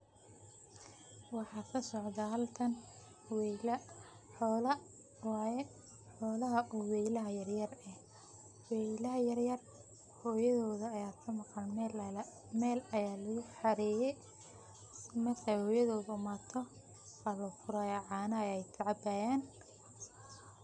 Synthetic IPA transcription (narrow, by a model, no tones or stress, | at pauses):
wɑħɑːsɐsɔʕd̪ɐɦɐlk̪ʰɐn | wl | ɔːlɐ | wɑːjɛ | ħɔːlɐɦɐʔuwɛjlɐɦɐjɐrjɐrɛh | wɛlɐɦɐjɐrjɐr | hɔːjɐðɔːðɐɐjaːkʰɐmɑqɑn | mɛːlɐjaːlɐɣʊħɑɾɛːjɛj | mɐrkʰɛjhɔːjɐðɔːðʊʊmaːt̪ʰɔ | wɐlɐfʊɾaːjɐʕɑːnɐjɛjt̪ʰɐʕɑbaːjaːn